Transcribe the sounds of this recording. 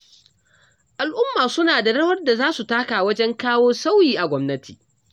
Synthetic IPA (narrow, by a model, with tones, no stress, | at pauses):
ʔa˨lʔʊ˦mːaː˨sʊ˦naː˨da˨ɽɐ˦wɐ˦rda˨zaː˦su˨taː˦kaː˨wɐ˦d͡ʒɛ˦ŋkaː˦woː˦sa˦wjiː˨ʔa˨ɡʷɔ˦mnɐ˦tʰiː˨